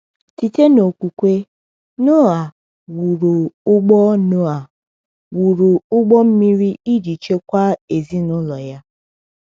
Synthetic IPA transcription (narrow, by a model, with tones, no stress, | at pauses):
ti˨te˦no˨kʷu˨kʷe˦ | no˦a˨ | wu˨ɾu˨ʊ˦ɡ͡bɔ˦nʊ˦a˨ | wu˨ɾu˨ʊ˦ɡ͡bɔ˦m̩˦mi˦ɾi˦i˦d͡ʒi˨t͡ʃe˦kʷa˦e˨zi˦nʊ˦lɔ˨ja˦